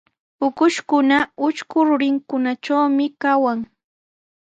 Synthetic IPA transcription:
ʊkʊʃkʊnaʊʃkʊɾʊɾɪŋkʊnat͡ʃawmɪkawaŋ

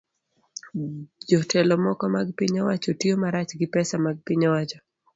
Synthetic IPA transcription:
d͡ʒɔtʰɛlɔmɔkɔmaɡpɪɲawat͡ʃɔtiomaɾat͡ʃɡɪpɛsamaɡ̚pɪɲawat͡ʃɔ

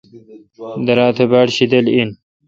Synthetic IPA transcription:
d̪ɐɾaːt̪ʰɐbaːɽɕid̪ɐlin

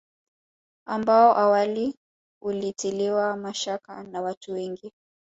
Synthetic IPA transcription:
ambaɔʔawali | ulitiliwamaʃaka̰nawatuwɛŋɡi

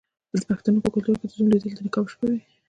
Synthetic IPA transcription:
d̪əpaxt̪anopəkʊlt̪uɾked̪əzunlid̪əld̪ənɪkɑbʃpəwi

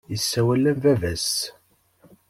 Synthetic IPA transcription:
jəsːæwælːæmvævæs

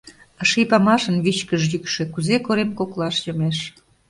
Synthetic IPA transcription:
əʃijpɑmɑʃənβit͡ɕkəʒjykʃĕkuzekoɾemkoklɑʃjomeʃ

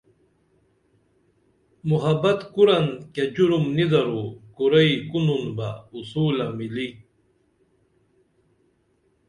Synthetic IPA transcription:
muɦɐbɐt̪kuɾanked͡ʑuɾumnid̪aɾukuɾɐjkununbausuːlamili

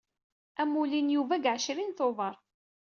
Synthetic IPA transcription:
æmːulinjuvæɡʕʃɾinθoðˤɑɾˤ

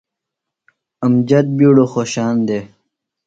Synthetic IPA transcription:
ɐmd͡ʑɐt̪̚biːɽoːxoːɕaːnd̪eː

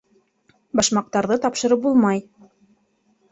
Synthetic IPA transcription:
bɑʃmɑq̚t̪ɑɾðɤt̪ɑpʃɤ̆ɾɤp̚bulˠmɑj

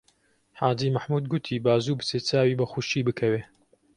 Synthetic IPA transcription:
ħaːd͡ʒiːmaħmuːd̪ɡʊt̪ʰiːbaːzuːbɨseːt͡saːwiːbɐxuʃiːbɨkʰɐweː

